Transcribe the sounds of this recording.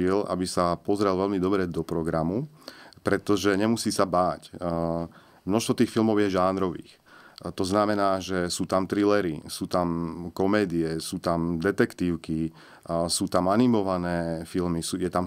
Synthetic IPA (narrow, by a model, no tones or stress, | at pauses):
ila̰bisapɔzɾɛlʋɛlmid̪ɔbɾɛd̪ɔpɾɔɡɾamu | pɾɛt̪ɔʒɛɲɛmusiːsabaːc | mnɔʃst̪ʋɔt̪iːxfilmɔʊjɛʒaːnɾɔʋḭːx | t̪ɔznamɛnaːʒɛsuːt̪amt̪ɾilɛɾisuːt̪amkɔmɛːd̪iɛsuːt̪amd̪ɛt̪ɛkt̪iːʊki | suːt̪amanimɔʋanɛːfilmisuːjɛt̪am